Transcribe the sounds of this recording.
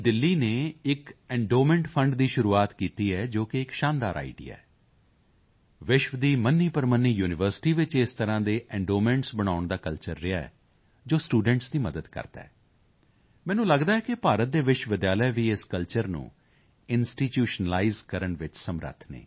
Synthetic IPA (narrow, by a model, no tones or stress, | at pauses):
d̪ɪlːiːneːɪkɛ̃ɳɖoːmɛ̃ːɳʈpʰə̃ɳɖd̪iːʃʊɾuːaːt̪kiːt̪iːɛːd͡ʒoːkeɪkʃaːnd̪a̰ːɾa̰ːḭɖḭːa̰ːɛ | ʋɪʃʋəd̪iːmənːiːpəɾmənːiːjuːnɪʋəɾsɪ̥ʈiːʋɪt͡ʃɪst̪əɾãːd̪eːʔɛ̃ɳɖoːmɛ̃ːɳʈsbəɽ̃aːʊɳd̪aːkəlt͡ʃəɾːɪaːɛ̰ | d͡ʒoːsʈuːɖə̃ɳʈsd̪iːməd̪əd̪kə̰ɾd̪a̰ɛː | mɛ̃ːnũːləɡd̪aːɛːkɪpaːɾət̪̚d̪eːʋɪʃʋɪd̪jaːləjʋiːɪskəlt͡ʃəɾnṵ̃ː | ɪnsʈiːʈjuːʃənəlaːizkəɾəɳʋɪt͡ʃsəmɾə̰t̪ʰnḛː